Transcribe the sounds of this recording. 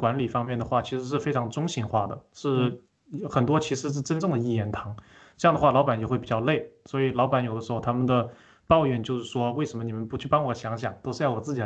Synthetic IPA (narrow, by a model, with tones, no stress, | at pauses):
kwa˧˥nli˨˩fɑ˥ŋmjɛ˥˩nd̪ə˩xwa˥˩t͡ɕʰi˧˥ʂɻ̩˧˥ʂ̬ɻ̩˥˩fe˥ɪʈ͡ʂʰɑ˧˥ŋʈ͡ʂʊ˥ŋɕi˧˥nxwa˥˩d̪ə̰˩ʂɻ̩˥˩ | xə˨˩nt̪wɔ˥t͡ɕʰi˧˥ʂɻ̩˧˥ʂ̬ɻ̩˥˩ʈ͡ʂə˥nʈ͡ʂɤ˥˩ŋd̪ə˩i˥˩jɛ˧˥˩nt̪ʰɑ˧˥ŋ | ʈ͡ʂɤ˥˧jɑ˥˩ŋd̪ə˩xwa˥˩lɑ˧˥ʊpa˨˩njxe˥˩pi˨˩t͡ɕjɑ˥˧ʊle˥˩ɪswɔ˧˥i˨˩lɑ˧˥ʊpa˧˥njo˨˩ʊd̪ə˦ʂɻ̩˧xʊt̪ʰa˥mə˨nd̪ə˩ | pɑ˥˧ʊjɥɛ˥˩nt͡ɕjo˥˧ʊʂɻ̩˥˩ʂwɔ˥we˥˩ɪʂə˧˥mə˧ni˨˩mə˧˦npu˧˥t͡ɕʰy˥˩pɑ˥ŋwɔ˨˧˥ɕjɑ˧˥ŋɕjɑ̰˨˩˦ŋt̪o˥ʊʂɻ̩˥˧jɑ˥˩wɔ˨˩t͡sɹ̩˥˩t͡ɕi˨˩